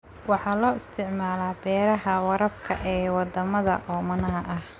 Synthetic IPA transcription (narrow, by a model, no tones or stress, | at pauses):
wɑħɑːlɔːɪst̪ʰɪʕmaːlaːbɛːɾɐɦɐwɑɾɐb̚kʰɐʔɛːwɑd̪ɐmɐðɐ̰ʔɔːmɐnɐɦɐʔɐh